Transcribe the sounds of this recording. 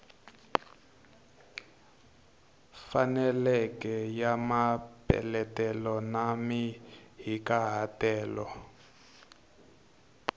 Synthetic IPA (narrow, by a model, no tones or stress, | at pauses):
fanɛlɛkɛjamapɛ̰lɛtɛlɔnamiɦikaɦatɛːlɔ